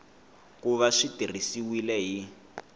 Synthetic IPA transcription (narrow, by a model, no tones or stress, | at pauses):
kuβaʂitir̤isiwilɛɦi